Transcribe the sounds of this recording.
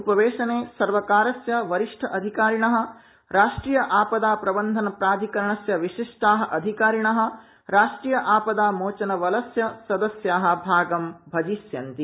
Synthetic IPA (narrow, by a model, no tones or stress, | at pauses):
upɐʋeːʃɐneːsɐɾʋɐkaːɾɐsjɐʋɐɾiʂʈʰɐʔɐd̪ʱikaːɾiɳɐɦɐ̆ | ɾaːʂʈɾiːjɐʔaːpɐd̪aːpɾɐbɐnd̪ʱɐnɐpɾaːd̪ʱikɐɾɐɳɐsjɐʋiʂiʂʈaːɦɐ̆ʔɐd̪ʱikaːɾiɳɐɦɐ̆ | ɾaːʂʈɾiːjɐʔaːpɐd̪aːmoːt͡ʃɐnɐʋɐlɐsjɐsɐd̪ɐsjaːɦɐ̆bʱaːɡɐmbʱɐd͡ʒiːsjɐnt̪i